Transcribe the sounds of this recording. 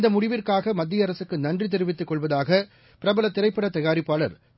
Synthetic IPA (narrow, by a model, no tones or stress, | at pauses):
nd̪ɐmʊɽɪʋɪrkaːɣɐmɐd̪ːɪjɐɾɐsɯkːɯnɐndrit̪̬ɛɾɯʋɪt̪ːɯkːɔɭʋɐðaːɣɐ | pɪɾɐbɐlɐt̪ːɪɾɐɪpːɐɽɐt̪ːɐjaːɾɪpːaːɭɐ̰ɾ